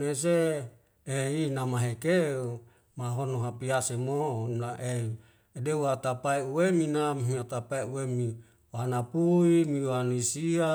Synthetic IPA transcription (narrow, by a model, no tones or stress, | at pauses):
nes̬e | einamaɦekeu | maɦonoɦapiasemonaʔe | deuat̪apaiuweminammiat̪apaiuwemi | wanapuimiwanisia